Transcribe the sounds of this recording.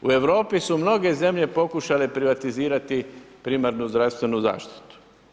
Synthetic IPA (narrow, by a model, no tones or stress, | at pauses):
ue̞ʋɾo̞ːpisumno̞ɡe̞ze̞mʎe̞po̞kuʃalepɾiʋat̪iziːɾat̪i | pɾiːmaɾnuzd̪ɾaʋst̪ʋe̞nuza̰ːʃt̪i̥t̪u̥